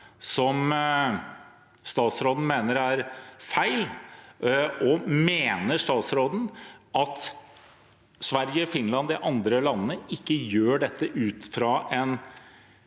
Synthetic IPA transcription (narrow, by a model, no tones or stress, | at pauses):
sɔm | st̪ɑːt̪sɾoːd̪n̩meːnəɾæɾfæɪl | ɔmeːnəʂt̪ɑːt̪sɾoːd̪n̩ʔɑt̪ | sʋæɾjəfɪnlɑnd̪ɪʔɑnd̪ɾəlɑnːənəɪkːəjøːɖɛt̪ːəʔʉːt̪fɾɑːʔɛn